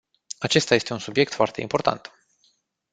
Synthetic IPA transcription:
at͡ʃe̞st̪aje̞st̪e̞unsubje̞kt̪foart̪e̞̰ḭmpo̞rt̪a̰nt̪

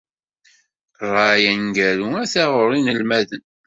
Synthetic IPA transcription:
rˤɑjænɡæɾuæθæʁʊɾˤinəlmæðən

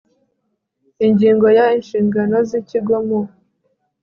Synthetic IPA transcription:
iɲɟiːŋɡo̞jainʃiːŋɡano̞ziciɡomo

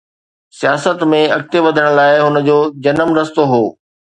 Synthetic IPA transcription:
sijaːsət̪mẽɐk̚t̪eʋɐd̪ʱəɽ̃̆laːɪɦʊnə̆d͡ʑoːd͡ʑɐnəmɾɐst̪oɦoː

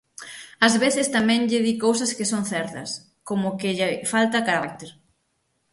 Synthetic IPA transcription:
ɐzβeθɪst̪amɛ̃ŋʎɪðikowsɐskɪsonθɛɾt̪ɐ̰s | komʊkɪʎɪfalt̪ɐkaɾak̚t̪eɾ

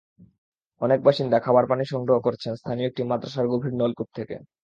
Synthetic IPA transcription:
ɔnek̚baʃind̪akʰabaɾpaniʃɔŋɡɾoɦokoɾt͡ɕʰenst̪ʰanioek̚ʈimat̪ːɾaʃaɾɡobʱiɖnolkup̚t̪ʰekḛ

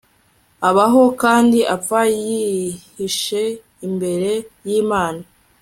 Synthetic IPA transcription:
aβaɦo̞kaːndiʔap̪fajihiʃe̞ | imbe̞ɾe̞jiːmaːna

